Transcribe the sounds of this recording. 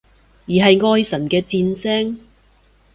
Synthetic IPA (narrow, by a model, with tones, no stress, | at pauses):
jiː˨˩ɦɐ˨jŋɔː˧jsɐ˨˩nkɛː˧t͡siː˧nsɛː˥ŋ